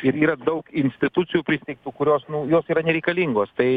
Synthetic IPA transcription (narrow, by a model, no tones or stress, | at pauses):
ɪɾiːɾɐd̪ɐʊkɪnʲsʲt̪ʲɪt̪ʊt̪sʲɪjupʲɾʲɪsʲɪt̪ʲɛɪk̚t̪uːkʊɾʲoːsnʊjoːsiːɾɐnʲɛɾʲɛɪkɐlʲiːŋɡoːst̪ɐɪ